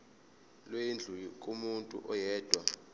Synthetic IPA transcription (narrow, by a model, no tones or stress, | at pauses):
lweind͡ɮʱujikʼumuntʼṵʔɔjɛːd̥ʱwa